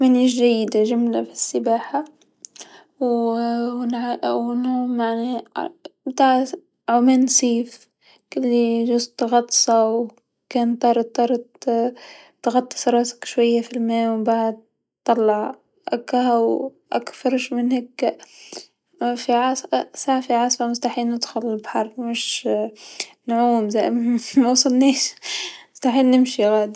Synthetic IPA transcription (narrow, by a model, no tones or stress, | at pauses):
maniʒajːɪd̪aʒamlafi̥sːɪbaːħa | w | nʕʊnhuːmaʕni | bt̪aːʕ | ʕʊmeːnsˤiːf | kɪlːiʒʊst̪ɣɑt̪ˤːsˤɑw | kɛːnt̪ˤːɑːɾˤt̪ˤːɑːɾˤ | t̪ɣɑt̪ˤːɨ̥sˤɾˤɑːsḁkʃwajːafilmeːwbaʕd̪̚ | t̪ˤːɑlːɑʕ | ʔa̰kːahaw | ʔa̰kfɑɾˤʃmɪnhakː | fiʕassaːʕfiʕɑsˤfamʊst̪aħiːlnɪd̪xʊlɪlbaħɑɾˤmɪʃ | nʕuːmzaʔmmawsˤɑlniːʃmʊst̪aħiːlnɪmʃiɣaːd̪i